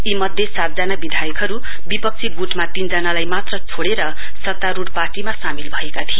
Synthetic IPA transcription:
imʌd̪ʱjesat̪̚d͡zanabid̪ʱajʌkɦʌɾu | bipʌk̚t͡sʰiɡuʈmat̪ind͡zʌnalajmat̪rʌt͡sʰoɽeɾʌ | sʌt̪ːaɾuɽparʈimasamilbʱʌekat̪ʰie

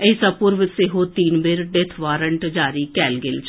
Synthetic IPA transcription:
əisapuɾʋəsɪɦoːt̪iːnbɪɾɖet̪ʰʋaːɾəɳʈd͡ʒaːɾiːkɛːlɡɪlt͡ʃ

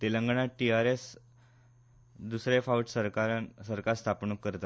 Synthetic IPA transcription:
t̪eləŋɡɳaʈiaɾes | d̪usɾefawʈsəɾkaɾansəɾkaɾst̪ʰapnukːəɾt̪a

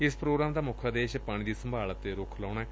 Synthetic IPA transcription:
ɪspɾoːɡɾaːmd̪aːmʊkʰaːd̪eːʃpaːɽ̃ĩːd̪iːsəmbʱaːlət̪eɾoːkʰlãːʊnaɛː

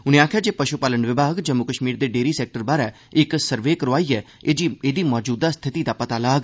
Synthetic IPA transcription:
ʊnẽːaːkʰjaːd͡ʒeːpəʃʊpaːləɳɖʋɪbʱaːɡd͡ʒəmːʊkəʃmiːɾd̪eːɖeːɾiːsɛːk̚ʈəɾbaːɾɛː | ɪksəɾʋeːkəɾoʋaːiːɛː | eːd͡ʒiːeːd̪iːmɔːd͡ʒuːd̪aːst̪ʰɪt̪iːd̪aːpət̪aːlaːɡ

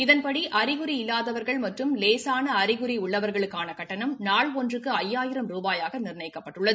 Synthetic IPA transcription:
ɪðɐnpɐɽiʔɐɾɪɣɯɾiɪlːaːðɐʋɐɾɣɐɭmɐʈrɯmleːsaːnɐɐɾɪɣɯɾiʊɭːɐʋɐɾɣɐɭɯkːaːnɐkɐʈːɐnɐmnaːɭɔndrɯkːɯɐjːaːjɪɾɐmɾuːbaːjaːɣɐnɪrɳɐɪkːɐpːɐʈːɯɭːɐðɯ

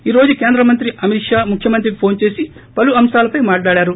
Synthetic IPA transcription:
iːɾo̞ːd͡ʒuke̞ːnd̪ɾɐmɐnt̪ɾiʔɐmiʂaːmukʰjɐmɐnt̪̬ɾiipʰo̞ːnt͡ʃe̞ːsi | pɐluɐmsaːlɐpɐjmaːʈɭaːɽaːɾu

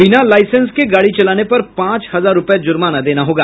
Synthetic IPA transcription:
bɪnalaːɪsə̃nskeɡaːɽit͡ʃɐlaːnepɐɾpãːt͡ʃhɐzaːɾːʊpjad͡ʒʊɾmanad̪eːnaɦoːɡaː

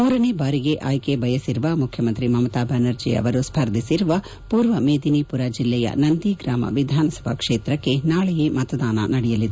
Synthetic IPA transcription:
uːɾɐnebaːɾiɡeʔaːjkebʱɐjɐsiɾuʋɐmukʰjɐmɐnt̪ɾimɐmɐt̪aːbʱɐnɐɾd͡ʒiɐ̰ʋɐɾuspʰɐɾd̪ʱisiɾuʋɐ | puːɾʋɐmeːd̪inipuɾad͡ʒilːɛjɐ̰nɐnd̪iɡɾaːmɐ̰ʋid̪ʱaːnɐsɐ̥bʱɐkʂeːt̪ɾɐkːe̞naːɭɛjemɐt̪ɐd̪aːnɐ̰nɐɽɛjɐlid̪e

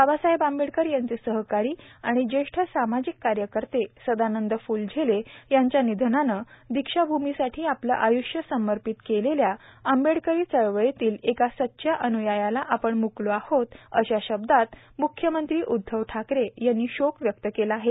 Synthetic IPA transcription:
babasaɦebambeɽkəɾjaɲt͡sesəɦkaɾiːaɽ̃id͡ʑeʂʈʰəsamad͡ʑikːaɾjəkəɾt̪esəd̪anənd̪əfuːld͡ʑʱelejaɲt͡ɕjanid̪ʱənanəd̪ikʂabʱumisaʈʰiːaplə̰ʔajuʂjəsəməɾpit̪keleljaambeɽkəɾiːt͡səɭʋəɭet̪iːlekasət̪ːɕʰjaʔənujajalaʔapəɳmukloahot̪ə̰ɕaɕəb̚d̪at̪ | mukʰjəmənt̪ɾiːʔud̪ʱːəʋʈʰakɾejanːiːɕokʋjək̚t̪əkelaɦe

